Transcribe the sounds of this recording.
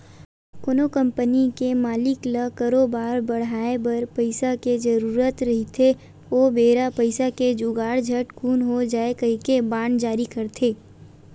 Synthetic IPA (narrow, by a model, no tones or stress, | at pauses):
konokə̃mpənikemaːlɪkləkəɾoːbaːɾbɐɽ̤aːebɐɾpɐɪsaked͡ʒɐɾuːɾət̪ɾɐɦit̪ʰe | oːbeːɾapəɪsaked͡ʒuɡaːɽd͡ʒʱɐʈkʰuːnɦod͡ʒaːekɐɦikebaːɳd͡ʒaːɾikɐɾt̪ʰeː